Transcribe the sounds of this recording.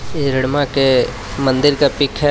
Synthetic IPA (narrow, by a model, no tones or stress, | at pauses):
ɪɾɪɽmake | mɐ̃nd̪ɪɾkapɪkʰɦɛ